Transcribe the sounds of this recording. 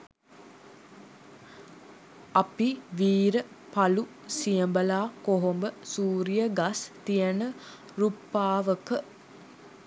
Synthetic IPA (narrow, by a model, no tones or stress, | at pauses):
apiʋiːɾə | palusijəmbəlaːkoɦombəsuːɾijəɡast̪ijənə | ɾupːaːʋəkə